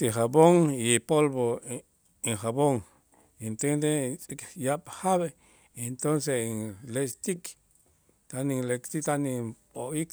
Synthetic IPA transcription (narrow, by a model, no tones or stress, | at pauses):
t̪iɦaboŋipolbo | iŋxaboŋ | int̪end̪et͡sʼikjaphaβe | ent̪onseiŋlest̪ik | t̪anilekt̪it̪anipoik